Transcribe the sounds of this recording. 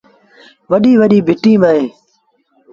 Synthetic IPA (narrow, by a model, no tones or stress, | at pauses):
ʋəɗiːʋəɗiːbʱɪʈĩːməːẽː